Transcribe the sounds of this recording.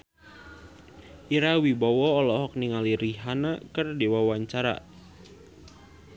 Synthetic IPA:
ʔiɾawibawɔːlɔɦɔk̚niŋaliɾiɦanakərdewawaɲt͡ʃaɾa̰

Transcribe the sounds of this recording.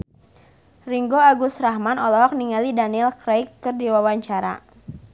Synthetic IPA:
riŋɡoaɡusɾaɦmanɔlɔɦɔk̚niŋalidanilkɾajkːərdiwawaɲt͡ʃaɾa̰

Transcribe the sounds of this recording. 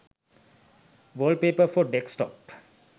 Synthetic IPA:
ʋəlpeːpəfɔɖeksʈɔ̰p

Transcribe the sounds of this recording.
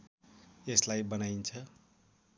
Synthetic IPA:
eslajbʌnaint͡sʰʌ

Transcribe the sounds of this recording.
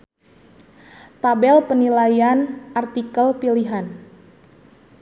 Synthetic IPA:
t̪abɛlpənilajanʔart̪ikəlpiliɦan

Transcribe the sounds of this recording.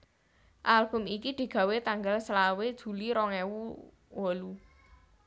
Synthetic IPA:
ʔalb̥ʊ̤mikid̪̥i̤ɡ̥ä̤wet̪aŋɡalslawed̥ʒ̥ṳliɾɔŋɛwu | wolu

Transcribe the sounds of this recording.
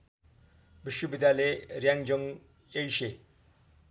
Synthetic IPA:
biʃːubid̪ʱjaːleɾjaŋd͡ʒəm | ejʃe

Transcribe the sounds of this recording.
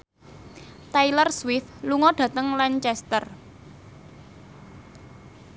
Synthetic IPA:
t̪ajlərswɪθluŋɔɖ̥ä̤t̪əŋlaɲt͡ʃɛst̪ər

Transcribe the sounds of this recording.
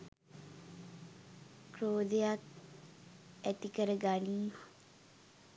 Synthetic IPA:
kroːd̪ejak | æt̪ikəɾəɡanima

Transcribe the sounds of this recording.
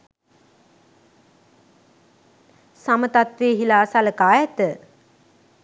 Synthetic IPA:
samət̪at̪ʋeːɦilaːsaləkaːjɛt̪ə

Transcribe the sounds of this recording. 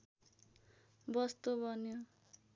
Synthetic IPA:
bʌst̪obʌnjo

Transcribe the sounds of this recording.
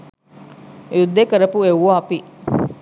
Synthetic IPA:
jud̪ːekəɾɐpuewʋaːɐpi

